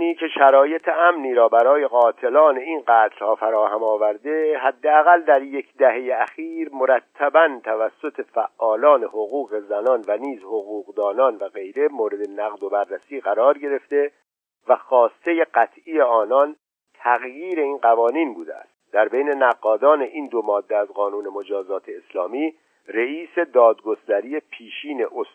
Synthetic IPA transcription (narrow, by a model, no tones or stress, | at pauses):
niːcʰe̞ʃæɾɒːje̞t̪ʰeæmniːɾɒːbæɾɒːje̞ɣɒːt̪ʰe̞lɒːne̞inɢæːt̪ʰlhɒːfæɾɒːhæmɒːvæɾd̪e̞ɦæd̪ːeæɣæld̪æɾje̞cʰd̪æhe̞jeæxiːɾmo̞ɾæt̪ʰːæbænt̪ʰævæsːo̞t̪ʰe̞fæʔʔːɒːlɒːne̞hoɣuːɣe̞zænɒːnvæniːzhoɣuːɣd̪ɒːnɒːnvæɣe̞jɾe̞moːɾe̞d̪e̞næɣd̪o̞bærːæsiːɣæɾɒːɾɟe̞ɾe̞ft̪e̞ | væxɒːst̪e̞jeɢæt̪ʰʔijeɒːnɒn | t̪ʰæɣjiːɾe̞iːnɢævɒːniːnbuːd̪eæ̰st̪d̪̥æɾbejne̞næɡːɒːd̪ɒːne̞ʔiːnd̪o̞mɒːd̪ːeæzɣɒːnuːne̞mod͡ʒɒːzɒːt̪ʰeːslɒːmiː | reiːse̞d̪ɒːd̪ɡo̞st̪æɾiːe̞pʰiːʃiːne̞ʔos